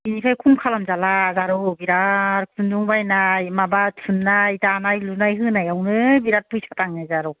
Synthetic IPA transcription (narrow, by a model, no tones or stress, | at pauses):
inikʰajkʰuŋkʰalamzalazaɾɔbiɾaɾɯk̚sʰɯnduŋbajnajmabatʰunːajtanajlunajɦɯnajawnɯbiɾat̚pʰɯjsʰataŋnɯjzaɾɔ